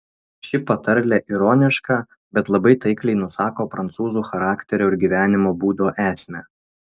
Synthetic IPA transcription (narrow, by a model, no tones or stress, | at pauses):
ʃʲɪpɐt̪ɐɾʲlʲɛʔiɾɔːnʲɪʃkɑː | bʲɛt̪lˠɐbɐɪt̪ɐɪklʲɛɪnʊsɑːkoːpɾɐnt̪suːzuːxɐɾɑːkʲt̪ʲɛɾʲoːɪɾɡʲiʋʲæːnʲɪmoːbuːd̪oːʔæːsʲmʲɛː